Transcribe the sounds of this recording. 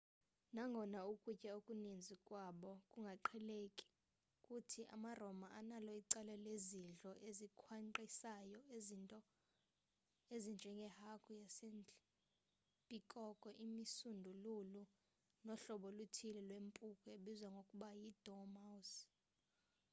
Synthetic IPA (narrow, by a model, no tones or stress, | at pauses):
naŋɡʱɔnaukʼucʼɛukʼunind͡zʱikʼwaɓɔkʼuŋɡʱaǃʰɛlekʼi̥ | kʼutʰiʔa̰marɔmaʔanalɔiǀɛlɛleziɮɔʔezikʰwaǃisajɔzntʼɔ | ezind͡ʒʱɛŋɡʱɛhakʰʼujasen | pʼikʼɔkʼɔʔimisundʱululu | nɔɬɔɓɔlutʰilɛlwempʼukʰʼɛeɓizwaŋɡʱokʼuɓajid̥ʱɔmas